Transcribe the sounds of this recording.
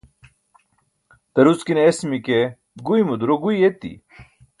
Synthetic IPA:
t̪ɐɾuskineesmike | ɡuimud̪uɾoɡujet̪ḭ

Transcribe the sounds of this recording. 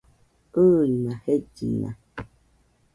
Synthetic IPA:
ənahed͡ʒina̰

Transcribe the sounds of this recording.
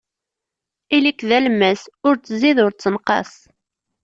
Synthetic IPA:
ilikðælmːæsʊɾt͡sːəziðʊɾt͡sːənqɑ̰s

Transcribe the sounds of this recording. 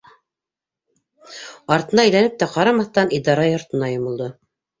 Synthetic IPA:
ɑɾt̪ɤ̆nɑæjlænɘp̚t̪æqɑɾɑmɑθt̪ɑnid̪ɑɾɑjŏɾt̪ɤ̆nɑjŏmŏlˠd̪ɤ

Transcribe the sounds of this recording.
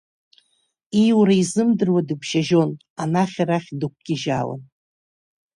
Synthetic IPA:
ijwɾaizɨmdɨrwadɨbʰʃaʒo̞n | anaχʲaraχʲdɨk̚ʷʰɡ̥ʲɪʒala̰n

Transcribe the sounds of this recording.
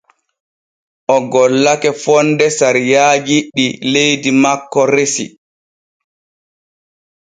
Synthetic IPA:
ʔɔɡɔlːakɛfɔndɛsaɾjaːd͡ʒiɗilejdimakːɔɾesḭ

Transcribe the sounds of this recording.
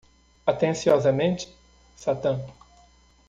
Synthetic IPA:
at̪ẽsiɔzɐmẽnt͡ʃɪ̥ | sat̪ɐ̃

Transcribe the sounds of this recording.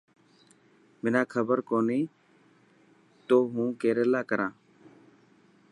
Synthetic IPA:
mɪnãːkʰəbəɾkoːniː | t̪oːɦũːkeːɾeːlaːkəɾãː

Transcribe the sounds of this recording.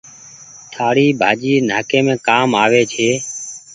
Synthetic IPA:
t̪ʰaːɽiːbʱaːd͡ʒiːnaːkeːmẽːkaːmaːʋeːt͡ʃʰeː

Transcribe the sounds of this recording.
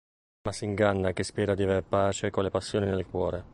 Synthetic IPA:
masːiŋɡanːak̟espɛːɾad̪iaveɾpaːt͡ʃekolepasːjoːninelkwɔːɾe

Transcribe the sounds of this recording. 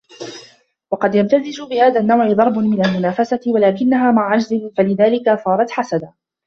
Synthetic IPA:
wɑqɑd̪jamt̪azɪd͡ʒʊbɪhaːðaːnːawʕɪd̪ˤɑɾˤbʊnmɪnalmʊnaːfasawalaːkɪnːaɦaːmaʕʕad͡ʒzɪnfalɪðaːlɪkaθˤɑːɾˤɑt̪ħasad̪a

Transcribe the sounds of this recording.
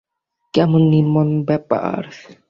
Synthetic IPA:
kamunːimɔnbɛpa̰ʔa̰ɾθ

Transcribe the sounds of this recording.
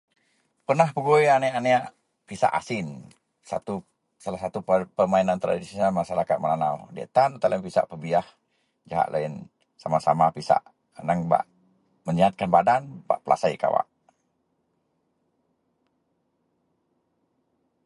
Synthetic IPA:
pərnahpəɡoeaneaneaʔ | pisa̰ʔa̰sɪn | sa̰t̪u | salahsat̪upəmainant̪ɾa̰disonalmaʃaɾakat̪̚mənanawdɛ̰ʔt̪anut̪alanpisa̰ʔpəbiah | d͡ʒaɦa̰ʔ̪lʔa̰in | samasamapisa̰ʔ | ənaŋba̰ʔ | məɲiat̪̚kanbadanba̰ʔpəla̰saika̰wa̰ʔ

